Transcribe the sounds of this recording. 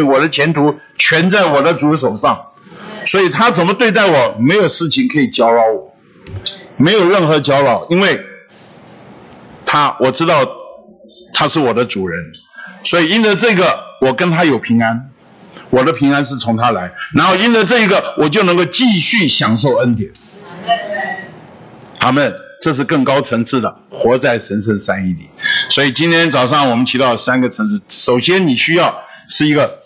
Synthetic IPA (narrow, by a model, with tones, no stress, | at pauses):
wɔ˨˩d̪ə˦t͡ɕʰjɛ˧˥nt̪ʰu˧˥ | t͡ɕʰɥɛ˧˥nt͡sa˥˩ɪwɔ˨˩d̪ə˦t͡su˧˥ʂ̬o˨˩ʊʂɑ˥˩ŋswɔ˧˥i˨˩t̪ʰa˥t͡sə˨˩nmə˦t̪we˥˧t̪a˥˩ɪwɔ˨˩me˧˥ɪjo˨˩ʊʂɻ̩˥˩t͡ɕʰi˧˨ŋkʰɤ˧˥i˨˩t͡ɕjɑ˥ʊlɑ˧˥ʊwɔ˨˩˦ | me˧˥ɪjo˨˩ʊɻə˥˩nxɤ˧˥t͡ɕjɑ˥ʊlɑ˨˩˥ʊi˥nwe˥˩ɪ | t̪ʰa˥wʔɔ˨˩ʈ͡ʂɻ̩˥t̪ɑ˥˩ʊ | t̪ʰa˥ʂɻ̩˥˩wɔ˨˩d̪ə˦t͡su˨˩ɻə˧˥n | swɔ˧˥i˨˩i˥nd̪ə˧˦ʈ͡ʂɤ˥˩˥ɡə˨˩wɔ˨˩kə˥nt̪ʰa˥jo˨˩ʊpʰi˧˥ŋa˥n | wɔ˨˩d̪ə˦pʰi˧˥ŋa˥nʂ̬ɻ̩˥˩t͡sʰʊ˧˥ŋt̪ʰa˥la˧˥ɪna˧˥nxo˥˧ʊi˥nd̪ə˧ʈ͡ʂɤ˥˩i˧˥ɡə˨wʔɔ˨˩t͡ɕjo˥˩ʊnə˧˥ŋɡo˥˧ʊt͡ɕi˥˧ɕy˥˩ɕjɑ˨˩ŋʂ̬o˥˩ʊə˥nt̪jɛ˨˩˦n | a˧˥˩mə˥˩nʈ͡ʂɤ˥˧ʂ̬ɻ̩˥˧kə˥˩ŋkɑ˥ʊt͡sʰə˧˥ŋt͡sʰɹ̩˥˩d̪ə˩xwɔ˧˥t͡sa˥˩ɪʂə˧˥nʂə˥˧nsa˥ni˥˩li˨˩˦swɔ˧˥i˨˩t͡ɕi˥nt̪ʰjɛ˥nt͡sɑ˨˩ʊʂ̬ɑ˥˩ŋwɔ˨˩mə˦nt͡ɕʰi˧˥t̪ɑ˥˩ʊə˩sa˥nɡə˨t͡sʰə˧˥ŋʂ̩˥˩ʂo˨˩ʊɕjɛ˥nni˨˩ɕy˥jɑ˥˩ʊ | ʂɻ̩˥˩i˧˥ɡə˧˨